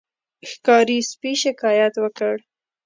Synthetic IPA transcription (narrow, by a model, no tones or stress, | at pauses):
xkɑɾispiʃɪkɑjat̪wəkəɽ